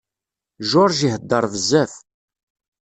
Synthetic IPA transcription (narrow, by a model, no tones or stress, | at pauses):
ʒʊɾˤʒiɦəd̪ːəɾˤvəzːæf